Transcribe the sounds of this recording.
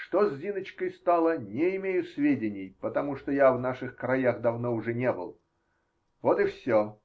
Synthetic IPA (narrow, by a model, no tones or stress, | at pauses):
ʂt̪ozʲːinət͡ɕkəjst̪alˠənʲɪɪmʲejʊsvʲedʲɪnʲɪjpət̪ɐmuʂt̪ojavnaʂɨxkɾɐjaxd̪ɐvnoʊʐɛnʲe̞bɨ̰lˠ | vot̪ɨfsʲo